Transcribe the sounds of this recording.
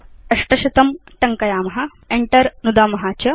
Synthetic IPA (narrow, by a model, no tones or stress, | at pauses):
ɐʂʈɐʃɐt̪ɐmʈɐŋkɐjaːmɐɦɐ | eɳʈɐɾnud̪aːmɐɦaːt͡ʃɐ